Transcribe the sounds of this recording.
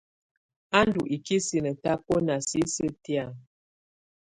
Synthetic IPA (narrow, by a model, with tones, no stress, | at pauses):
a˦ndu˨ʔi˨ki˦si˨nə˨ta˦pɔ˦na˨si˦sə˦ti˦a˦˨